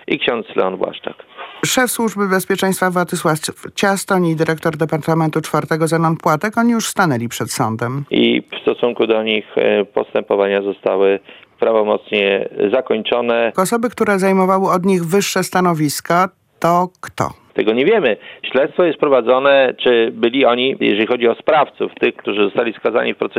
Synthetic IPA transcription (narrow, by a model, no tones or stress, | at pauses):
ʔikɕɔnt̪slɛ̰ɔnbwa̰ʂt͡ʂa̰kʂɛfswuʐbɘbɛspʲjɛt͡ʂɛ̃j̃st̪favwat̪ɘswafft͡ɕast̪ɔɲid̪ɘɾʔɛkt̪ɔɾd̪ɛpaɾt̪amɛnt̪ut͡ʂfaɾt̪ɛɡɔzɛnʲɔnt̪pwat̪ɛkɔɲijuʂst̪anɛlʲipʂɛt̪sɔ̰nd̪ɛmḭfst̪ɔsuŋkud̪ɔɲixpɔ̰st̪ɛmpɔvaɲazɔst̪awɘpɾavɔmɔt̪sɲɛzakɔɲt͡ʂɔnɛɔsɔbɘkt̪uɾɛzajmɔvawɘɔd̪ɲiɣvɘʂːɛst̪anɔvʲiska | t̪ɔkt̪ɔ̰t̪ɛɡɔɲɛvʲjɛmɘɕlɛt̪st̪fɔjɛst̪pɾɔvad̪zɔnɛt͡ʂɘbɘlʲiɔɲijɛ̰ʐɛlʲixɔd͡ʑiɔspɾaft̪suft̪ɘxkt̪uʐɘzɔst̪alʲiskaza̰ɲifpɾɔt̪sɛ